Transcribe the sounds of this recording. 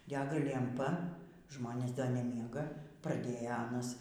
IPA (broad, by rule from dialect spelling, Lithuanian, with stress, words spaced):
ˈdʲæːɡɐ lʲɛmˈpɐ ˈʒmoːnʲeːs dɐ nʲɛˈmʲiɛɡɐ prɐˈdʲeːjɛ ˈɑːnɐs